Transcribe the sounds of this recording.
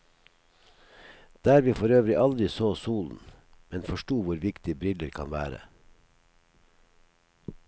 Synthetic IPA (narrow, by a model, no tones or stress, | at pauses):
d̪̥æːɾʋiːfɔɾøːʋɾɪʔɑld̪ɾɪsoːsuːln̩ | mɛnfɔʃʈuːʋʊɾʋɪkt̪ɪbɾɪləɾkʰɑ̰nʋæ̰ːɾə̰